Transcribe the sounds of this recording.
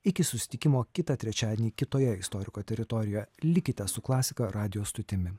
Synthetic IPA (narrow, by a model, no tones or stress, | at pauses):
ɪkʲɪsʊsʲɪ̥t̪ʲɪkʲɪmoːkʲɪt̪ɐt̪ʲɾʲɛt͡ʃʲæːd̪ʲenʲiːkʲɪt̪oːjɛɪst̪ɔɾʲɪkoːt̪ʲɛɾʲɪt̪ɔɾʲɪjoːjɛlʲɪkʲɪt̪ʲɛssʊklˠɑːsʲɪkɐɾɑːd̪ʲɪjoːst̪ʊt̪ʲɪmʲɪ